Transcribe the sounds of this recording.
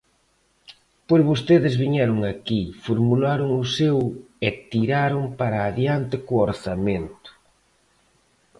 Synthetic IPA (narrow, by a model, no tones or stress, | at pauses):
poɾβost̪eðɪzβiɲɛɾʊŋakifoɾmulaɾʊŋʊsew | ɪt̪iɾaɾʊŋpaɾaːðjant̪ɪkuoɾθament̪ʊ̥